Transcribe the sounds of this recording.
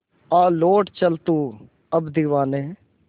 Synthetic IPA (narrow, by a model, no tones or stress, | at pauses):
aːloːʈt͡ʃəlt̪uː | əbd̪iʋaːneː